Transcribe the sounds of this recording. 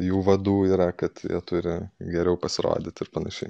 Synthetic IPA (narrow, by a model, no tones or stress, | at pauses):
juːʋɐd̪uːiːɾɐkɐt̪jḭɛt̪ʊɾʲɪɡʲɛɾʲɛʊpɐsʲɪɾo̰ːd̪ʲɪt̪ʲɪrpɐnɐʃʲɛɪ